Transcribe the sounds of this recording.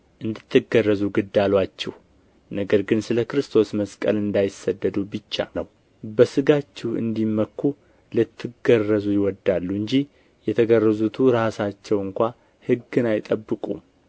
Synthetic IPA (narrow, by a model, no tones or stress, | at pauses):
ʔɨnd̪ɨt̪ʰːɨɡərːəzuɡɨd̪ːalwat͡ʃːɛh | nəɡəɾɡɨnsɨləkɾɨst̪ʰo̞sməskʼə̰lɨnd̪ajɪsːəd̪ːəd̪ubɨt͡ʃːa̰nəw | bəsɨɡat͡ʃːɛhɨ̰nd̪imːəkːu | lɨt̪ʰːɨɡərːəzujɪwɔd̪ːalːuɨɲd͡ʒi | jɛt̪ʰəɡərːəzut̪ʰuɾasat͡ʃːɛwɨŋkʷa | hɨɡːɨnajɪt̪ʼəbːɨkʼṵm